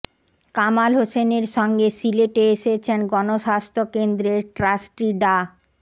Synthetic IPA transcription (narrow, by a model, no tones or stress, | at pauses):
kamalɦoseneɾʃɔŋɡesileʈeeʃet͡ɕʰenɡɔnoʃast̪ʰokend̪ɾeʈɾasʈiɖa